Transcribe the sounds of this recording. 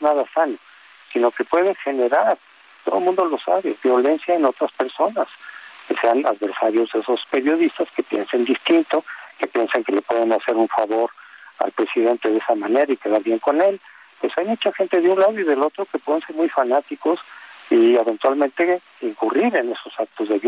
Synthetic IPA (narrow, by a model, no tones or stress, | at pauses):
eznaðasano | sino̞ke̞pwe̞ðexe̞ne̞ɾaɾ | t̪o̞ðomũnd̪o̞lo̞sa̰βe̞̰βjo̞le̞nsjaeno̞t̪ɾaspe̞ɾso̞naskese̞ana̰ðβe̞ɾsaɾjo̞zðeso̞spe̞ɾjo̞ðist̪aske̞pje̞̰nsend̪ist̪int̪o̞ke̞pje̞nseŋkele̞pwe̞ð̞e̞nase̞ɾuɱfaβo̞ɾa̰lpɾe̞siðe̞nt̪e̞ðe̞samane̞ɾaike̞ðaɾβje̞ŋko̞ne̞l | pwe̞sajmut͡ʃaxe̞nt̪e̞ðeunlað̞oiðe̞lo̞t̪ɾo̞ke̞pweðense̞ɾmujfanat̪ikosieβent̪walment̪e̞ | iŋkuriɾe̞ne̞so̞sak̚t̪o̞zðe̞β